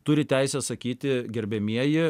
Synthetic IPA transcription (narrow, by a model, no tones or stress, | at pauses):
t̪ʊɾʲɪt̪ʲæɪsʲɛsɐkʲiːt̪ʲɪɡʲɛɾʲbʲɛmʲiɛjɪ